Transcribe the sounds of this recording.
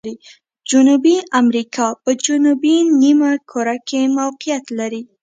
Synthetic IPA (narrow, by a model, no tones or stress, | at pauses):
ɾi | d͡ʒʊnubiamɾikʰɑpəd͡ʒʊnubinimakʰoɾakemawqijat̪laɾi